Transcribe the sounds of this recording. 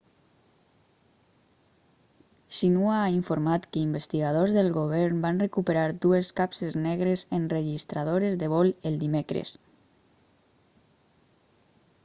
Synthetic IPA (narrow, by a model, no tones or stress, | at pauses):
ʃinuaaiɱfoɾmat̪kəimbest̪iɣað̞ozðelˠɣoβ̞ɛɾmbanrekupeɾaɾd̪ueskapseznɛɣ̞ɾezenreʒist̪ɾað̞oɾezðeβɔlelˠd̪imekɾḛs